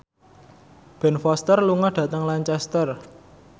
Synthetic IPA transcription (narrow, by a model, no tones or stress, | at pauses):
b̥ɛ̤nfɔst̪ərluŋɔhɖ̥ä̤t̪əŋlaɲt͡ʃɛst̪ər